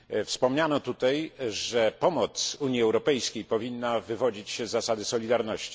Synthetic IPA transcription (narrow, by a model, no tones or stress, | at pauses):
fspɔmɲanɔt̪ut̪ajʐɛpɔmɔt̪suɲiɛwɾɔpɛjskʲejpɔvʲinːavɘvɔd͡ʑit͡ɕɕɛzːasad̪ɘsɔlʲid̪aɾnɔɕt͡ɕi̥